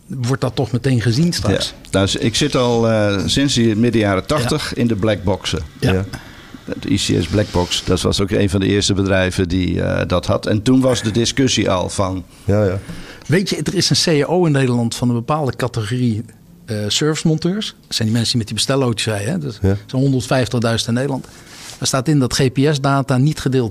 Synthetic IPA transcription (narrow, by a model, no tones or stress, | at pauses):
ʋɔɹt̚dɔtːɔxmətejnχəzinstrɑ̰ks | naɪksɪtɔlˠsɪnsəmɪdəjaːɾətɑxtəxɪndəblɛɡ̚bɔksəja | dḭsḭɛ̰sblɛɡ̚bɔksdɔtʋɑ̰sokḛːnvɔndəɪərstəbədrɛjvədiə̰dɔthɑ̰tʰɛ̰ntunʋɑsdədɪskøsiʔɔ̰lˠfɑn | ʋejtjədərɪsənseːaʔowɪnːeːdəlɑntfɑnənbəpaːlˠdəkatəχori | əsøːɹvəsmɔntøːɹs | sɛjndimɛnsənimɛtibəstɛlˠowtəsrɛjɛdsɛnɦondərtfɛjftəχdœɥzəntɪnːejdəlɑnt | dastaːtɪndɔtχeːpeɛsdaːtanitχədɪːlˠt